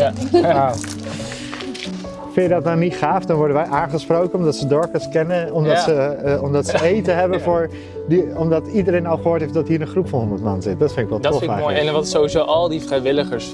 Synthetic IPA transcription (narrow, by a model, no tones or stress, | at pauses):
a | fɪnjədɔtnawnitχaːfdɔnʋɔɹdənʋɛjʔaːnχəsprowkənɔmdɑtsədɔɹkəskɛnəɔmdɑtsəɔmdɑtsəejtəɦɛbənfʊːɹ | dəɔmdɑtidəɾejnɑlˠχəɦʊːɹtɦeɪftdɔtɦiːɾənχrupfɔnɦɔ̃ndətmɑ̰nzɪt̚dɔtfɪndɪkʋɛlˠtɔfajɛnʋɑtsoizowʔɑlˠdifrɛjʋɪləχəɹs